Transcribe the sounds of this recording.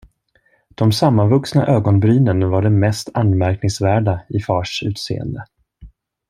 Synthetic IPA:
d̪̥ɔmsamːanvɵksna̰ʔøːɡɔnbɾyːnənvaɖɛmɛst̪ʰanmæɾk̚nɪŋsvæːɖaɪfɑːʂʉ̟ːt̪sḛːə̰nd̪ə

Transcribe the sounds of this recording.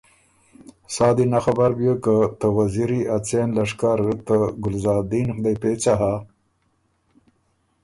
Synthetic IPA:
sɑːd̪inaxabaɾbjəkət̪əwaziɾiat͡senlaʂkaɾət̪əɡʊlzɑːd̪inxd̪ajpet͡saɦa

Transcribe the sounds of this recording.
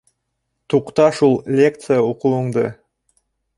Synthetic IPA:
t̪ʰuqt̪ɑʃulˠlʲe̞kt̪sɨjaoqəlˠəɴd̪ə̰

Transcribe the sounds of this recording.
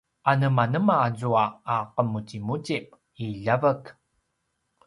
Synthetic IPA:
ʔanəmanəmaːzuaːqəmutimutip̚ | iɮavək

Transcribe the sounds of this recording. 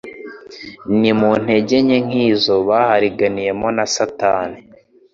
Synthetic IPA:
nimun̥e̞ɟe̞ɲeŋ̥iːzo̞βaːhaɾiɡanije̞mo̞nasataːni

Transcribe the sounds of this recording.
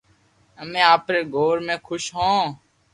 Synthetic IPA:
əmẽːaːpɾeːɡʱoːɾmẽːkʰʊʃɦõː

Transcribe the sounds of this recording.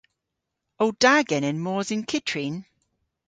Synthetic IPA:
owd̥aɡɛnɪnmɔːzɪnkʰɪtʰɹin

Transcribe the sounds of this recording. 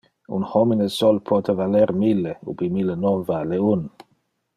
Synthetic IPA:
ṵnhɔminəsɔlpʰɔt̪ʰəvalɛɾmilːeṵbimilənɔnvaleun

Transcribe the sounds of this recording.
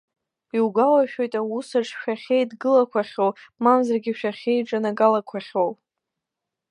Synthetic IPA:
iwɡʷawaʃᶣo̞jtʼawusaʈ͡ʂʰʃᶣaχʲejdɡɨlakʷʰaχʲowmamzarɡʲiʃᶣaχʲe̞jʈ͡ʂʼanaɡalakʷʰaχʲow

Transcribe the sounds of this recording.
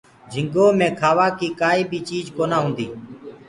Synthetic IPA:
d͡ʒʱɪŋɡoːmẽːkʰaːʋaːkiːkaːiːbʱiːt͡ʃiːd͡ʒkoːnãːɦʊ̃ːnd̪iː

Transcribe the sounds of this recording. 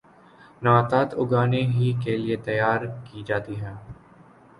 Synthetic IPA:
nãːt̪aːt̪ʊɡaːneɦiːkelɪet̪əjːaːɾkiːd͡ʒaːt̪iːɦɛ̃ː

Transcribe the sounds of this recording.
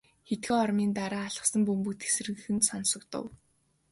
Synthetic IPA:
xet̪xeːɔrmiːnt̪aɾaːɮə̆sə̆mpɵmput̪e̥s̆rɘ̆ŋxɘ̆nt̪sɔnsɞ̆kt̪ə̰̆w

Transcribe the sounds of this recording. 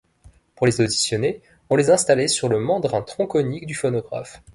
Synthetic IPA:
puʁlezod̪isjɔne | ɔ̃lezɛ̃st̪alesyʁləmɑ̃d̪ʁɛ̃t̪χɔ̃kɔnikd̪yfɔnɔɡʁa̰f

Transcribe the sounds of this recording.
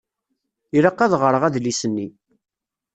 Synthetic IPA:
iɾɑqːæðʁəɾˤəʁæðlisənːi

